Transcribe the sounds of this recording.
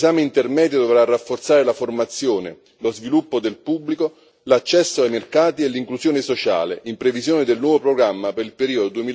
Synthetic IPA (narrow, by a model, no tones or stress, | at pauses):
zaːmeint̪ermɛːd̪jod̪ovɾarːafːort̪saːɾelaformat̪sːjoːne | lozvilupːod̪elpubːliko | lat͡ʃːɛsːoajmerkaːt̪ielːiŋkluzjoːnɪsot͡ʃa̰ːlḛʔimpɾevizjoːnɪd̪elnwɔːvopɾoɡɾamːapeɾilpeɾiːod̪od̪uemil